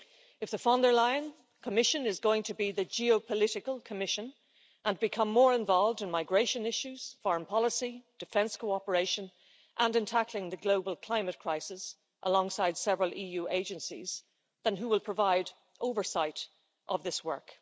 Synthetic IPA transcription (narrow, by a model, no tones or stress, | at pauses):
ɨfðəfɑ̃ndə˞laɪə̃n | kʰəmɪʃɨ̃nɪzɡoʊɪ̃ŋtʰəbiðɨd͡ʒiopʰəlɪɾɨkəlˠkʰəmɪʃə̃n | ʔə̃nbɨkʰʌ̃mːɔɹɪ̃ɱvɑlˠvdɨ̃nmaɪɡɹeɪʃɨ̃nɪʃʉz̥fɑɹmpʰɑlˠəsid̥ɨfɛ̃nskʰoʊɑpə˞eɪʃə̃n | ʔə̃nɨ̃ntʰaklɪ̃ŋðɨɡloʊbəlˠkʰl̥ãɪ̃mɨt̚kʰɹ̥aɪsɪs | ʔə̰lɔ̃ŋsaɪd̥sɛvɹəlˠʔijʉːʔeɪd͡ʒɨ̃nsḭz | ðə̃nɦuwɪlˠpʰɹ̥əvaɪɾ | ʔoʊvə˞saɪɾ | ʔəvðɪswɜ̰˞k